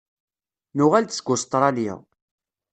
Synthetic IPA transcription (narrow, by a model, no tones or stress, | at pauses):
nʊʁælt̪sɡʊst̪ˤɾˤɑlɪ̰ʁ